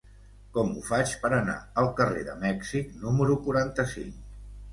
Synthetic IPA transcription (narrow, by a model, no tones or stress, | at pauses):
kɔmṵfat͡ʃpəɾəna̰əlˠkərḛðə̰mɛksiknuməɾukuɾant̪əsḭŋk